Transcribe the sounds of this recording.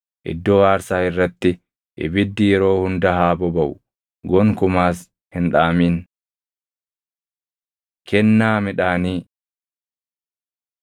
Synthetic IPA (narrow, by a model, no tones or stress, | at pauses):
ʔɪ̰d̪ːoːaːɾsaːɪrːɐt̪ːɪ | ʔɪ̰bɪd̪ːɪjɛɾo̞ːhʊnd̪ɐɦaːbɔbɐʔʊ | ɡɔŋkʊmaːs | hɪnᶑaːmiːn | kɛnːaːmɪᶑaːniː